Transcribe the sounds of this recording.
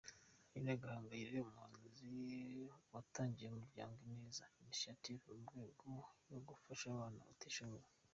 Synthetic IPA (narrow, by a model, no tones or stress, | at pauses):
ineɡahaːŋɡaiɾeumhaːnzi | wataːɲɟijemuvja̰ːŋɡineːzaimiʃativumɡweːɡojoɡufaʃaβaːna̰βateʃaŋu